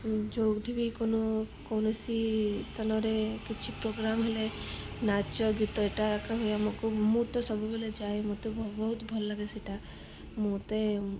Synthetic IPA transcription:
d͡ʒoɡʈʰibikono | kownesist̪ʰanɔɾekit͡ʃʰipɾoɡɾamɦele | nat͡ʃɔɡit̪ɔeʈakaɦujamɔkumut̪ɔsɔbubeled͡ʒaːjmut̪ebbɔɦut̪bʱɔlːlaɡesiʈa | mut̪e

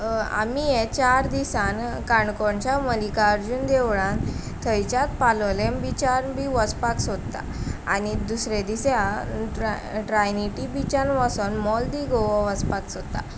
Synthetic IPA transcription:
a̰mijet͡ɕaɾd̪isankaɳkɔɳt͡ɕjaməlikaɾd͡ʑuːnd̪eʋɭã | t̪ʰːəjt͡ɕjat̪palɔlembit͡ɕaɾbiʋəspaksod̪t̪a̰a̰nid̪usɾed̪isea | ʈɾajniʈibit͡ɕanʋasɔnmɔld̪iɡoʋɔʋəspaksot̪ːa̰

